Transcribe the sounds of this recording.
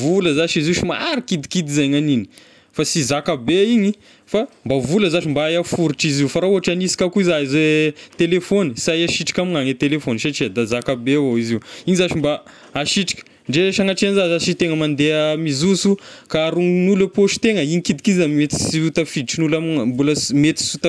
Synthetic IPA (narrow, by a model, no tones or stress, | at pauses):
vuləzaʃiziuʃima̰ɾikid̪ikid̪izajŋanini̥ | fasizakabeiɲi | fambavuləzaʃimbajafuɾiʈ͡ʂiziwfaɾauɦaʈ͡ʂanisi̥kʲakuizaizet̪elefonisajaʃiʈ͡ʂi̥kʲamiŋaŋet̪elefoniʃaʈ͡ʂid̪azakabevoiziwiɲizaʃimba | aʃiʈ͡ʂi̥kʲə̥ | ɳɖ͡ʐeʃaŋaʈ͡ʂeanzazat͡ʃit̪eŋəmand̪eəmizusukaːɾuŋnulepoʃi̥t̪eŋəiɲikid̪ikid̪zammet̪i̥siut̪afid̪ʈ͡ʂinulamimbuləsmet̪i̥sut̪